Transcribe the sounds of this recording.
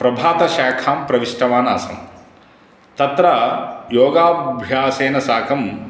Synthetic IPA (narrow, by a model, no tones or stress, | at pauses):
pɾɐbʱaːt̪ɐʃaːkʰaːmpɾɐʋiʂʈɐʋaːna̰ːsɐ̰m | t̪ɐt̪ɾɐjoːɡaːbʱjaːseːnɐsaːkʰɐm